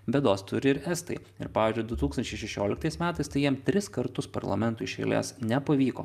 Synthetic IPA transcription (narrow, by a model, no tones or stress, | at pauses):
bʲɛd̪oːst̪ʊɾʲɪɪɾɛst̪ɐ̰ɪ | ɪ̰ɾpɑːʋʲiːzʲd͡ʒʲʊɪd̪ʊt̪uːksɐnʲt͡ʃʲɛɪʃʲɛʃʲoːlʲɪkt̪ɐɪsmʲæːt̪ɐɪst̪ɐɪjiɛmt̪ʲɾʲɪskɐɾt̪ʊspɐ̰ɾlˠɐ̰mʲɛnt̪ʊɪʃʲɛ̰ɪlʲḛːsnʲɛpɐʋʲiːko̰ː